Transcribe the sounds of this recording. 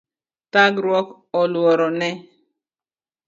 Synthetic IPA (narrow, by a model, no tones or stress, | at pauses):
taɡɾwɔk | ɔlwɔɾɔnɛ